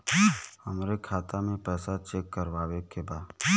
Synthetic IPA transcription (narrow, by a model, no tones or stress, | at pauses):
həmɾekʰaːt̪amẽpɛːsat͡ʃeːkːəɾʋaːwekebaːd